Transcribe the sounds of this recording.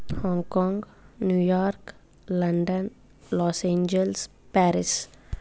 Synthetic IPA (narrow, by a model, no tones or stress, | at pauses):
hɔ̃ːŋɡkɔ̃ŋɡ | njuːjɔːɾk | lɐɳɖən | lɔːsẽːɲd͡ʒels | pɛːɾɪs